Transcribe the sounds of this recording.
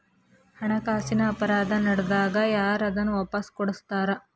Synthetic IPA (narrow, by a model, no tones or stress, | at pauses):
hɐɳɐkaːsinɐːpɐɾaːd̪ʱɐnɐɽɐd̪aːɡɐjaːɾɐd̪ɐnːuʋɐpːɐskɔɽust̪aːɾɐ